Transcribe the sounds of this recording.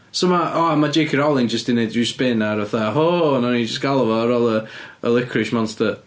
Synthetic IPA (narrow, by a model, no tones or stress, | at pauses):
somaʔɔamad͡ʒekʰiɾɔlˠɪnd͡ʒəsd̥inedispɪnaɾaθaɦonɔnid͡ʒəsɡ̥alˠvɔɾɔlˠəə̰lˠɪkʰrɪʃmɔnstə